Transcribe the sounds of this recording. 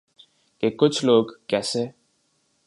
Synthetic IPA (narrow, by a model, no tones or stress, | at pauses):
kekʊt͡ʃʰloːɡkɛːse